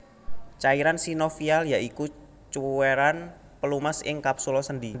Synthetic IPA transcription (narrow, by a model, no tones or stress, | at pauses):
t͡ʃaiɾansinɔfialjaʔiku | t͡ʃueɾan | pəlumasɪ̰ŋkapsulɔsənd̪i